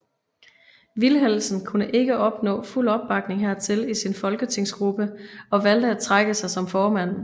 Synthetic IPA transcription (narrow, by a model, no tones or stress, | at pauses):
ʋilɦel̰sn̩kʰunəʔe̝ɡ̥əʔɒ̽b̥nɔ̰̽ːful̰ɒ̽b̥ːɑ̈ɡ̥ne̝ŋɦæɐ̰t͡sʰe̝lisinfɒ̽lɡ̥ət͡sʰe̝ŋ̰sɡ̥ʁub̥əɒ̽ʋæl̰d̥əæd̚t͡sʰʁaɡ̥əsɑ̈ɪsɒ̽mfɒːmæn̰